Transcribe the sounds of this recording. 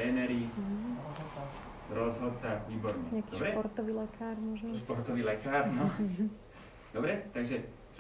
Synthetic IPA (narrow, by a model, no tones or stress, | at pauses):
ɛːnɛɾiɦ | ɾɔzɦɔt̪t͡saviːbɔɾɲɛɲɛakiobɾɛpɔɾt̪ɔʋiːlɛkʰaːɾmɔʒmspɔɾt̪ɔʋiːlɛkaːɾno | d̪̥obɾɛt̪aɡʒɛ | s